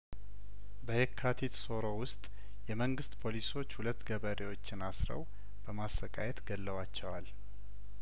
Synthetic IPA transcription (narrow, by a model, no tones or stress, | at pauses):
bəhekʰːat̪ʰit̪so̞ɾo̞wʊst̪ʼ | jɛməŋɡɨst̪pʰo̞liso̞t͡ʃːhulət̪ːɡəβəɾewo̞t͡ʃːɪnasɾə̰w | b̥əmasːəkʼajɛt̪ɡəlːəwat͡ʃːɛwal